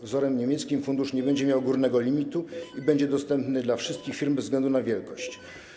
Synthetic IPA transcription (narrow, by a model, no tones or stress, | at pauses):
vzɔɾɛmɲemʲjɛt̪skʲimfund̪uʂɲɛbɛɲd͡ʑɛmʲjawɡuɾnɛɡɔlʲimʲit̪uibɛɲd͡ʑɛd̪ɔst̪ɛmpnɘd̪lafʂɘst̪̚kʲixfʲiɾmbɛzɡlɛnd̪unavʲjɛlkɔɕt͡ɕ